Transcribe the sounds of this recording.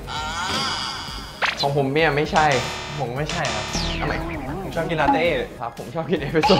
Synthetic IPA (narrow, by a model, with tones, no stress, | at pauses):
kʰɔː˨˦ŋpʰo˨˩˦mni˥˩ɐma˥˩jt͡ɕʰa˥˩j | pʰo˨˩˦ma˥˩jt͡ɕʰa˥˩jkʰa˦˥p̚t̪ʰa˧˩ma˨˦kʰa˧˥o˨˩˦t͡ɕʰɔ˥˩ki˧la˧t̪eː˥˩kʰa˦˥pʰːo˩˦mt͡ɕʰɔː˥˩p̚ki˧nʔeː˦˧˥pʰi˦˧˥so˧˩